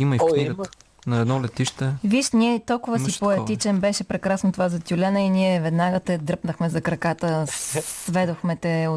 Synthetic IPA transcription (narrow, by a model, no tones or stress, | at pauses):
iməik̪iɡə | nɐɛd̪nɔlɛt̪iʃt̪ɛviʃnʲiɛt̪ɔlˠkʊvəsipoɛt̪it͡ʃɛnbɛʃɛpɾɛkɾasnot̪ovazɐt̪ʲulʲɛnəiniɛvɛd̪naɡət̪ɛd̪ɾɤpnəxmɛzɐkɾɐkat̪əsvɛd̪oxmɛt̪ɛo